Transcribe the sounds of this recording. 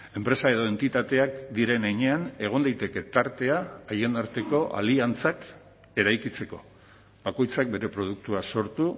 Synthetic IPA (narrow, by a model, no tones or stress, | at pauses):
e̞mpɾe̞sae̞ð̞o̞e̞nt̪it̪at̪eakd̪iɾe̞neɲe̞ane̞ɣ̞o̞nd̪ajt̪e̞ke̞t̪aɾt̪e̞aːjend̪aɾt̪e̞ko̞ʔa̰liant͡sak | e̞ɾajkit͡se̞ko̞ | bako̞jt͡sak̚be̞ɾe̞pɾo̞ð̞uk̚t̪uaso̞ɾt̪u